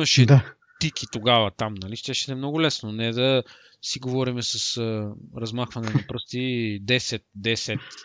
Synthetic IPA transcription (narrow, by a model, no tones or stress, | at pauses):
mɐʃɛd̪a | t̪ikit̪oɡavɐt̪amnɐliʃt̪ɛʃɛt̪ɛmnɔɡʊlɛsnonɛd̪ɐ | siɡovɔɾimɛsɐsəɾɐzmaxvɐnɛnɐpɾəst̪id̪ɛsɛt̪̚d̪ɛsɛt̪